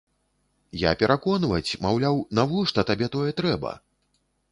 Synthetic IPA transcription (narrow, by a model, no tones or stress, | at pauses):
ja̰pʲɛɾʔakɔnvɐt͡sʲmawlʲawnavɔʂt̪ɐt̪abʲɛt̪ɔjɛt̪ɾɛbɐ̰